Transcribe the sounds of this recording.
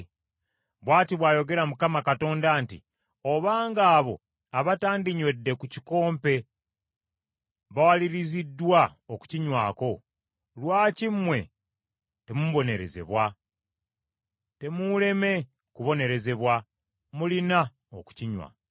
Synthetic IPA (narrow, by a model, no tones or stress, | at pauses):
βwaːtiβwaːjo̞ɡe̞ɾamukamakato̞ːndaːntḭ | o̞βaːŋɡaːβo̞̰ | aβataːndiɲwe̞dːe̞kuci̥ko̞ːmpe̞ | βawaliɾizidːwaoku̥ciɲwa̰ːko̞ | lwaːcimwe̞̰ | te̞muβo̞ne̞ɾe̞̰ze̞̰βwa | te̞mule̞me̞ | kuβo̞ne̞ɾe̞ze̞βwa | mulina | oku̥ciɲwa̰